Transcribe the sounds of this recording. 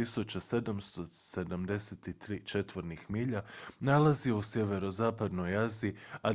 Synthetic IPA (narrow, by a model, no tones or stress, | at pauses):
isut͡ɕase̞d̪amst̪ose̞d̪amd̪e̞set̪it̪ɾiːt͡ʃe̞t̪ʋoɾnixmiːʎanalaziousjeʋe̞ɾo̞zaːpad̪no̞jaziːa